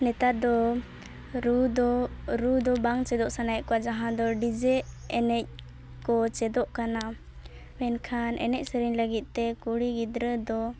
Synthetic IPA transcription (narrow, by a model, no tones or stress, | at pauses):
nɛt̪at̪̚d̪ɔ | ɾud̪ɔɾud̪ɔbaŋt͡ʃɛd̪ɔʔsanajʔ̚kɔwad͡ʒaɦãd̪ɔɖid͡ʒɛɛnɛc̚ | kɔt͡ʃɛd̪ɔʔkana | mɛnkʰanʔɛ̰nɛc̚ˀsəɾiɲləɡit̪̚t̪ɛkuɽiɡid̪ɾəd̪ɔ